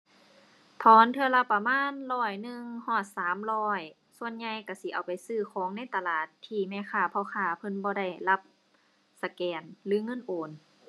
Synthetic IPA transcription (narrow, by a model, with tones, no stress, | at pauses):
t̪ʰɔː˨˧˦nt̪ʰɯ˧ɐla˧pa˧maː˧˥˨nlɔː˧˩jnɯ˧ŋhɔː˧˩saː˨˦mlɔː˧˥˩j | su˧˨ənɲa˧jka˧˩si˧˦ʔa̰˨˩wpa˨jsɯː˧˩kʰɔː˨˦ŋna˧˥˨jt̪a˧laː˧˩t̪ʰːiː˧˩mɛː˧˨kʰaː˧˩pʰɔ˧˩xʰaː˧˩pʰɤ˧˥˨nbɔː˧ɾa˧˩jla˧˦p̚ | sa˧kɛː˨˩nlɯː˨˦ŋɤ˧˥˨nʔoː˨˩n